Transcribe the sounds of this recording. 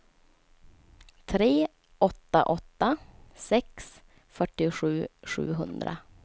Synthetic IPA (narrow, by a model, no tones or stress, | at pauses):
t̪ʰɾeː | ʔɔt̪ːa̰ʔɔt̪ːasɛks | fœʈːɪɧʉ̟ːɧʉ̟̰ːɦɵ̰nd̪ɾa̰